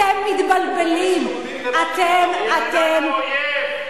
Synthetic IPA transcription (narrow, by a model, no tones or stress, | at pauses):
ɛmːit̪balbɛlim | at̪ɛmat̪ɛm